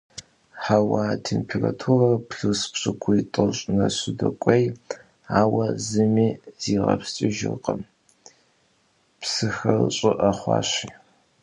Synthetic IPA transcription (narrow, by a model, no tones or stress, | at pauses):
ħawaːtʰempʰera̰tʰurɐrpɬɨspɕʼɪkʷʰʊitʼɨɕʼnɐɕɪdɐkʷʼɐj | aːwɐzɨmiːz̥iːʁɐ̰pst͡ʃʼɪʒɪ̰rqʼɐm | psɨxɐrɕʼɪʔɐχʷɑ̰ːɕiː